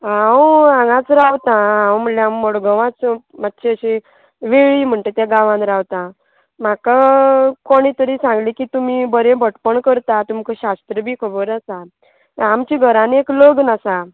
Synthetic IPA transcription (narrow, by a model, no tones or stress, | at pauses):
ãwãŋɡãt͡sɾaʋt̪ããwm̤əljamːɔɽɡəʋãt͡smat̪ːɕeəɕe | ʋeɭiːm̤əɳʈ̪et̪jaɡãʋãnɾawt̪ã | m̤akakoɽ̃it̪əɾiːsãŋɡlikiːt̪umibəɾebʱəʈpəɳkəɾt̪at̪umkəɕast̪ɾəbʱiːkʰəbəɾasa | t̪amt͡ɕiɡʱəɾãniekləɡnasa